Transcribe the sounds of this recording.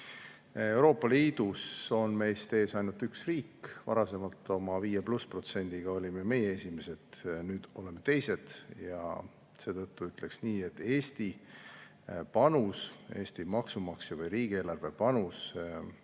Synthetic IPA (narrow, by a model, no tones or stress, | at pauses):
ewɾo̞ːpːˑɑliːd̪uso̞nme̞jst̪e̞ːsɑjnult̪ːyksriːkːvɑ̰ɾɑse̞mɑlt̪ːˑo̞mɑviːjepluspro̞t̪se̞nʲd̪̥iɡ̥ɑo̞lʲimeme̞jee̞sʲime̞se̞d̪̥nyːd̪̥o̞le̞mːe̞t̪e̞jse̞d̪̥jɑ̰ | se̞ːt̪ɤt̪ːuyt̪ːˑle̞ksniːe̞t̪ːe̞ːst̪i | pɑnuse̞ːst̪imɑksumɑksevɤjɾiːɡ̥ieːlɑrve̞pɑnus